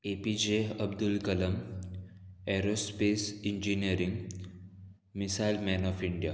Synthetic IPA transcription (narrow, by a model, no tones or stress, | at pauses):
epid͡ʑeəb̚d̪ulkɐləm | eɾospesind͡ʑinijəɾiŋ | misailmɛnɔfiɳɖija